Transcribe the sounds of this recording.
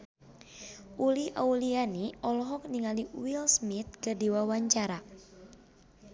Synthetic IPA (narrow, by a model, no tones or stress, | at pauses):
ʔuliʔaulianiɔlɔɦɔk̚niŋaliwilsmit̪̚kɨrdiwawaɲt͡ʃaɾa